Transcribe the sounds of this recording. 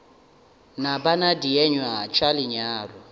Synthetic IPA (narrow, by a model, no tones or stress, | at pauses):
nabanadiɛɲwat͡ʃʼalɪɲaːrɔ